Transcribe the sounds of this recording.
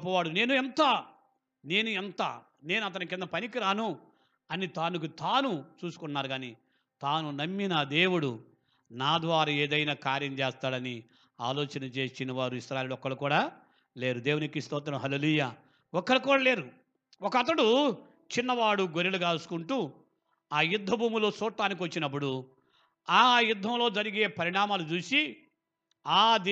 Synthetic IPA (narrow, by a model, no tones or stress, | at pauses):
pːɐʋaːɽune̞ːnuɛnt̪ɐ | ne̞ːnuɛnt̪ɐ | ne̞ːnuɐt̪̬ɐnukind̪ɐpɐnikiɾaːnu | ɐnit̪aːnuk̬ut̪aːnut͡ʃuːsu̥kuɳːaːɾuɡaːni | t̪aːnunɐmːinɐd̪e̞ːwuɽu | naːd̪ʋaːɾaːeːd̪ɐjnaːkaːɾjɐmt͡ʃeɛːst̪aːɽɐni | a̰ːloːt͡ʃɐnɐt͡ʃe̞ːʃinɐʋaːɾuiʃɾaːjeːluɔkːɐɭukuːɽaː | le̞ːɾud̪eːwunikist̪ɔːt̪̬ɐnɐmɦɐleːluːjaː | ɔkːɐɭukuːɽaːle̞ːɾu | ɔkɐt̪̬ːɐɽu | t͡ʃinːɐʋaːɽuɡoɾiluɡaːlsu̥kuɳʈuː | aːjud̪ʱːɐbʱuːmulusɔːʈːaːnik̬iʋɐt͡ʃːinɐp̬ːuɽu | aːjud̪ʱːɐmlo̞ːd͡ʒɐɾiɡeːpɐɾiɳaːmaːlut͡ʃuːsi | aːd̪